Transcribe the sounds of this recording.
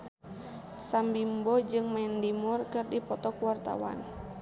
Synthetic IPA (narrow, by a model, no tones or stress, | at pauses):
sambimbɔd͡ʒɨŋmɛndimurkɨrdipɔt̪ɔkuwart̪a̰wa̰n